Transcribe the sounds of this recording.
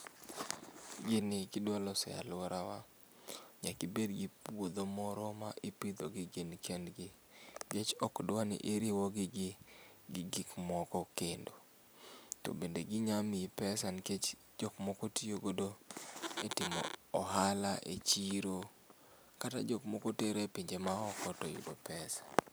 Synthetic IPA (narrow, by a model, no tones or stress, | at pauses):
ɡɪnɪkɪdwalɔsɛ̰a̰lwɔɾawa | ɲakɪbedɡɪpwod̪omɔɾɔmaʔipid̪oɡɪɡenkʰɛndɡɪ | ɡet͡ʃɔkdwanɪ̰ʔeɾɪwɔɡɪɡɪ | ɡɪɡɪkmɔkɔkendo | tɔ̰bendeɡɪɲamipɛsanket͡ʃ | d͡ʒɔkmɔkotijoɡodoetɪmɔ̰ːɦalaʔḛt͡ʃiɾo | kata̰d͡ʒɔkmɔkoteɾepiɲd͡ʒemaɔkɔtɔḭdopɛsḁ